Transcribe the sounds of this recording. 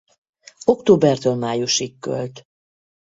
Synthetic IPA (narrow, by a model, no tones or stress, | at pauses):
o̞kt̪oːbɛrt̪øːlmaːjuʃikkːø̰lt̪